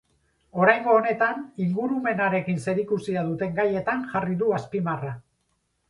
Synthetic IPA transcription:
o̞ɾajŋɡo̞ːne̞t̪aniŋɡuɾume̞naɾe̞kinse̞ɾikusiað̞ut̪e̞ŋɡaje̞t̪aŋʝariðuaspimara

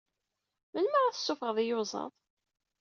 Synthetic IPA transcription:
mənːəʁæθə̥sːʊfəʁðˤijʊzˤɑ̰ðˤ

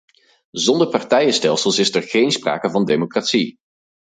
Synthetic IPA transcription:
zɔndəɹpɑɹtɛjəstɛlˠsəlˠsɪsɛɹχejnspra̰ːkəvɑndemokratsi

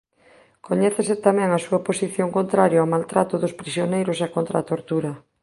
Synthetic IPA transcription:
koɲɛθeset̪amɛ̃ŋasuɐposiθjoŋkont̪ɾaɾjoawmalt̪ɾat̪ʊðʊspɾisjonejɾʊsakont̪ɾa̰t̪oɾt̪uɾɐ

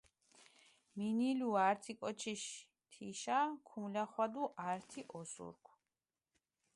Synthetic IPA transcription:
miniluaɾt̪ʰikʼɔt͡ʃʰiʃ | t̪ʰiʃakʰumlaχwad̪uʔaɾt̪ʰiʔɔsṵɾkʰ

